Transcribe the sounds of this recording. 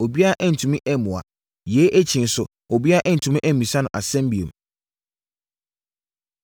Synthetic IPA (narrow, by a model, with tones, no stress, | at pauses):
o˨bi˦a˦a˦˨ʔɛ˦n̩˨tʰũ˨mĩ˦ʔɛ˦mũ˨a̰˨ | jɛ˨˦ʔæ˦t͡ɕʰĩ˨n˨sʊ˨ | o˨bi˦a˦a˦˨ʔɛ̃˦n̩˨tʰũ˨mĩ˦ʔæ˦mĩ˨sã˦nʊ̃˨ʔa̰˨sɛ̃˦mbi˨e˨m